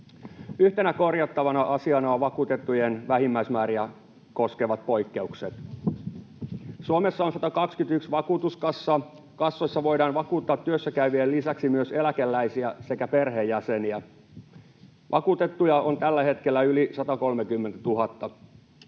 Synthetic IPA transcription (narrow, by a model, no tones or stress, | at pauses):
yht̪e̞næko̞rjɑt̪ːɑʋɑnɑʔɑsiɑnoːʋɑkuːt̪e̞t̪ːujenʋæɦimːæismæːɾiæ | ko̞ske̞ʋɑt̪̚po̞jkːe̞ukset̪ | suomesːɑonsɑt̪ɑkɑkskyt̪yksʋɑkuːt̪uskɑsːɑ | kɑsːoisːɑʋo̞jdɑːnʋɑkuːt̪ːɑːt̪ːyøsːækæyʋiælːisæksimyøse̞lækelːæisiæse̞kæperɦejːæseniæ | ʋʔɑ̰kuːt̪et̪ːujɑo̞nt̪ælːæhe̞t̪kelːæylisɑt̪ɑko̞lmekymːent̪æt̪uɦɑt̪ːɑ